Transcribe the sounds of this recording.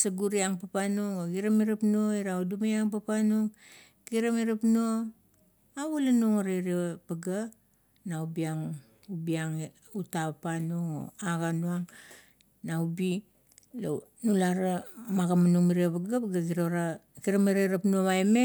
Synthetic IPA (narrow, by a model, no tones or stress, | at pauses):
saɡuɾiaŋpapanuŋoɡiɾamiɾapnuoiɾaudumajaŋpapanuŋ | kiɾamiɾapnuo | aβalanuŋoɾeɾipaɡa | naubiaŋ | ubiaŋ | utapapanuŋo̰aɡanuaŋ | naubi | lo | nulaɾamaɡamanuŋmiɾiapaɡapɡaɡiɾaɾa | kiɾamiɾaɾapnuomajme